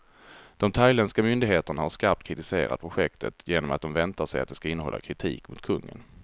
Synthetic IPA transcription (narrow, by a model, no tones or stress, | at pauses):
d̪̥ɔmt̪ʰajlɛnskamʏnd̪ɪɡɦeːt̪əɳahaʂkaɾp̚t̪̚kʰɾɪt̪ɪsḛːɾa̰d̪əpʰɾʊɧɛkt̪ʰət̪jeːnɔmat̪d̪ɔmvɛnt̪aʂɛjat̪̚d̪ɛskaɪnːəɦɔ̰lːa̰kʰɾɪt̪ʰḭːkmʊt̪̚kʰɵŋːə̰n